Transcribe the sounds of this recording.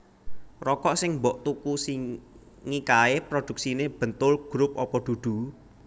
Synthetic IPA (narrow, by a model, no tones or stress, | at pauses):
rɔkɔʔsɪŋmbɔʔt̪ukusi | ŋikaepɾod̪̥ṳk̚sineb̥ə̤nt̪ʊlɡ̥ɾʊp̚ɔpɔd̪̥ṳd̪̥ṳ